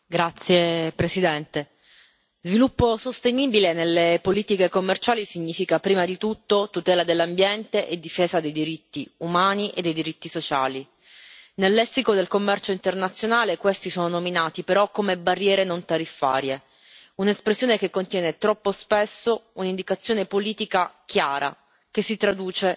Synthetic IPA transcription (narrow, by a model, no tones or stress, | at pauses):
ɡɾat̪sːjepɾesid̪ɛnt̪e | zvilupːosost̪eniːbilenelːepoliːt̪ikekomːert͡ʃaːlisiɲːiːfikapɾiːmad̪it̪ut̪ːot̪ut̪ɛːlad̪elːambjɛnt̪eʔed̪ːifeːzad̪ejd̪iɾit̪ːiumaːniʔḛd̪ːejd̪iɾit̪ːisot͡ʃa̰ːli | nelːɛsːikod̪elkomːɛrt͡ʃoint̪ernat̪sːjonaːlekwest̪isoːnonominaːt̪ipeɾɔkːomebarːjɛːɾenont̪aɾifːa̰ːɾje | unespɾesːjoːnekekːont̪jɛːnet̪ɾɔpːospesːounind̪ikat̪sːjoːnepoliːt̪ikakjaːɾa̰ | k̟esːit̪ɾad̪uːt͡ʃe